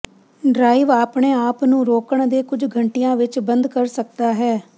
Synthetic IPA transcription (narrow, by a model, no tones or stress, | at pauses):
ɖɾaːiʋaːpɳeːaːpnũːɾoːkəɳd̪eːkʊd͡ʒɡʱəɳʈijãːʋɪt͡ʃbənd̪kəɾsək̚d̪aːɦɛː